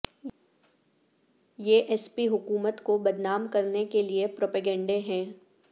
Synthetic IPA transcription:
jeʔɛspiɦʊkuːmət̪kobɐd̪naːmkɐɾnekeliepɾoːpɛɡɛ̃ːɳɖeɦɛ̃ː

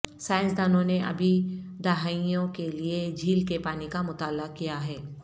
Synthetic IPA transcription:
sãːɪ̃nsd̪aːnõneʔɐ̰bʱid̪ɐɦaːijõkelied͡ʒʱiːlkepaːnikamʊt̪aːlːakijaɦɛː

